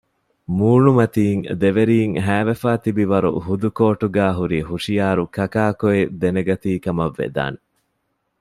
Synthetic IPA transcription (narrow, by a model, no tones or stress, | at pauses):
muːɳumɐt̪iːŋd̪eʋeɾiːŋɦæːʋefaːt̪ibiʋɐɾṵhud̪ukoːʈuɡæːɦuɾiːhuʂijaːɾukɐkaːkoed̪eneɡɐt̪iːkɐmɐʋːḛd̪a̰ːne